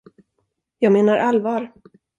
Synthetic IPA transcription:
jɑːɡmeːnaɾʔalvɑːɾ

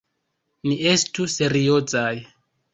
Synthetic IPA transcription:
niʔestuseɾiot͡saj

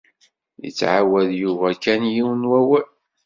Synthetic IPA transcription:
jə̰t͡sːʕawæðjuvækænjiwənwæwæl

